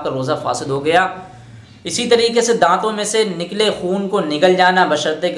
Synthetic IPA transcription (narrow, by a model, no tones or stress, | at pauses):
kaɾoːzafa̰ːsɪd̪ɦoɡɐjaː | ɪsit̪ɐɾiːkesed̪ãːt̪õmẽsenɪklexuːnkonɪkəld͡ʒaːnabɐʃəɾt̪ek